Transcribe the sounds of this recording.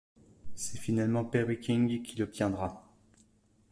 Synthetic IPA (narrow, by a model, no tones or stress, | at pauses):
sɛfinalmɑ̃pɛʁwikʲiŋɡkʲʰilɔp̚t̪ʰjɛ̃d̪ʁa